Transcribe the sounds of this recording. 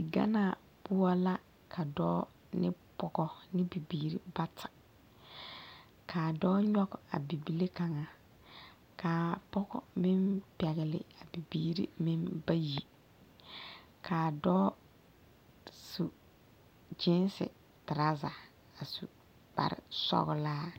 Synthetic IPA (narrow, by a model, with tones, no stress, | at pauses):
ɪ˨ɡa̰˦naː˨ | pʊ˦a˦la˦ | kʰa˨dɔː˦ | nɪ˦pɔ˨ɡɔ˦nɪ˦bi˨biː˨ɾḭ˦ba˦tʰḁ˨ | kʰaː˨dɔː˦ɲɔ˦ka̰˨bi˨bi˦le˦ka˨ŋa˨ | ka˨pɔ˦ɡɔ̰˨mɪ˦mpɛ˨ɣɪ˨lɪ̰˨a˨bi˨biː˦ɾḭ˦mɪ˦mba˦ji˨ | kʰaː˨dɔː˦ | su˨ | d͡ʒɪ˦n˦sɪ̰˨ | tɪ˨ɾa˦za˨ | a˨su˨ | b̥a̰˨ɾɪ̰˨sɔ̰˦ɣʊ˦laː˦